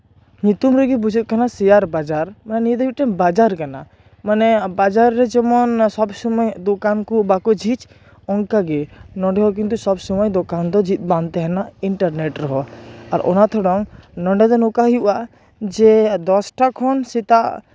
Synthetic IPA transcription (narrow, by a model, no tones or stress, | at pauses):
ɲut̪umɾɛɡibud͡ʒʱut̪̚kanasɛjaɾbad͡ʒaɾmanɛnid̪ɔbiʈɛnbad͡ʒaɾkana | manɛbad͡ʒaɾːɛd͡ʒɛmɔnsɔbsɔmɔjd̪ɔkankubakɔd͡ʒʱit͡ʃ | ɔŋkaɡɛnɔ̃ɳɖɛɦɔk̬int̪usɔbsɔmɔjd̪ɔkand̪ɔd͡ʒit̪̚ˀbãnt̪ɛɦɛnaʔiɳʈaɾnɛʈɾɔɦɔaɾʔɔ̰nat̪ʰɔɽɔŋnɔ̃ɳɖɛd̪ɔnɔkaɦiuʔa | d͡ʒɛd̪ɔsʈakʰɔnsit̪aʔ